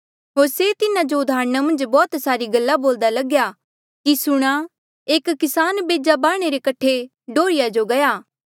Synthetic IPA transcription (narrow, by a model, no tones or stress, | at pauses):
ɦoːɾset̪ɪnãd͡ʒoʊd̪ʱaːɾñamɐ̃nd͡ʒbɔːt̪saːɾiɡɐlːaboːld̪alɐɡja | kisʊɽ̃a | eːkːɪsaːnbeːd͡ʒabaːɽ̃eɾekɐʈʰːe | ɖoːɾɪjad͡ʒoɡɐjaː